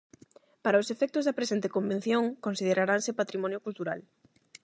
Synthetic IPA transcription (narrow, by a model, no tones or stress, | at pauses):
paɾaosefɛk̚t̪ʊzðɐpɾesent̪ekombẽn̟θjõŋkõnsið̞eɾaɾansɪpat̪ɾimɔnjokult̪uɾa̰l